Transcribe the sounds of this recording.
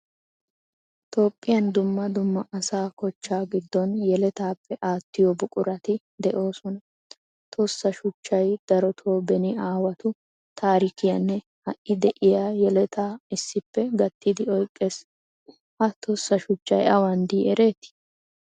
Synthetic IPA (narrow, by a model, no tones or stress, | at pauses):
t̪ʰo̞ːpʼːɪjɐnd̪ʊmːɐd̪ʊmːɐʔɐsaːkɔt͡ʃːaːɡɪd̪ːɔnjɛlɛt̪aːpʰːɛʔaːt̪ːɪjɔbʊkʼʊɾɐt̪ɪ | d̪ɛʔo̞ːsɔnɐ | t̪ʰɔsːɐʃʊt͡ʃːɐjd̪̥ɐɾɔt̪ʰo̞ːbɛnɪaːwɐt̪ʊ | t̪ʰaːɾɪkɪjɐnːɛ | hɐʔːɪd̪ɛʔɪjaːjɛlɛt̪ʰaːɪsːɪpːɛɡɐt̪ːɪd̪ɪɔjkʼːe̞ːs | ʔɐt̪ʰɔsːɐʃʊt͡ʃːɐ̰jɐwɐnd̪iːɛɾe̞ːt̪ːɪ̥